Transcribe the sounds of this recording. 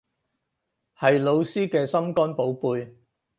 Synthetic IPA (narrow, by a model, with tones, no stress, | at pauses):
hɐ˨jlo˨˧wsiː˥kɛː˧sɐ˥mkɔː˥npo˨˥wpuː˨˧j